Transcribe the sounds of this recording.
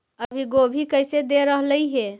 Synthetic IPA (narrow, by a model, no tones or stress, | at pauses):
əbʱiɡobʱikəɪsed̪eɾəɦləjɦe